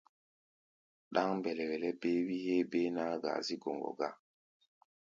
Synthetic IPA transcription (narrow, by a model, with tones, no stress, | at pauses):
ɗa˦ŋmbɛ˨lɛ˨wɛ˨lɛ˦be˦wi˦he˦be˦na˦ɡa̰˨zi˦ɡo˨ŋɡɔ̰˨ɡa˦